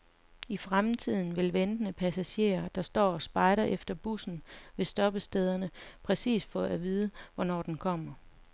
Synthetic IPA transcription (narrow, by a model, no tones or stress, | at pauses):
ifʁamt͡sʰið̞̰ˠn̩ʋe̝lʋend̥ənəpʰæsæɕe̝̰ːɐd̥ɑ̈sd̥ɒ̰ːɒ̽sb̥ɑ̈ɪɾɐʔefd̥ɐb̥usn̩ʋe̝sd̥ɒ̽b̥əsd̥eð̞ˠɐnəpʰʁɛsḭːsfɒ̽æʋiːð̞ˠəʋɒnɒ̰ːd̥enkʰɒ̽m̰ɐ